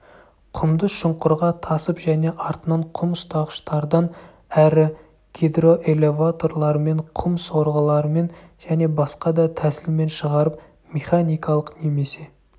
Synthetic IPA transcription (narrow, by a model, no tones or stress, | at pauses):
qʰʊmd̪əʃəɴqʊɾʁɑt̪ʰɑsəpʒæne̞ʔɑɾt̪ənɑɴqʰʊmʊst̪ɑʁəʃt̪ɑɾd̪ɑn | æɾɪ | ɡ̥ʲid̪ro̞ʔelʲe̞vat̪o̞rlˠɑɾəme̞ɴqʰʊmso̞ɾʁəlˠɑɾəme̞nʒæne̞bɑsqɑd̪ɑt̪ʰæsɪlme̞nʃəʁɑɾəp̚ | mʲe̞χanijkɑlˠəqne̞me̞se̞